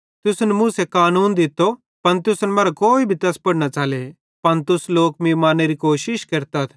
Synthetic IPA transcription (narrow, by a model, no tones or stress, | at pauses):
t̪ʊsnɛmʊ̃ːsekaːnuːnd̪ɪt̪ːo | pɐnt̪ʊsnɛmaːɾakoːibʱit̪ɐspɐɽnat͡ʃaːle | pɐnt̪ʊsloːk̚mĩmaːnːeɾikoːʃɪʃkɐɾt̪ɐt̪ʰ